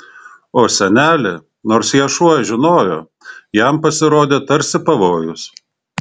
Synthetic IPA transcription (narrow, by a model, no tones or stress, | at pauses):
oːsʲɛnʲæːlʲɪ | noːɾsjiɛʃuɔʒʲɪnoːjoː | jɛmpɐsʲɪɾoːd̪ʲeːt̪ɐɾʲsʲɪpɐʋoːjʊs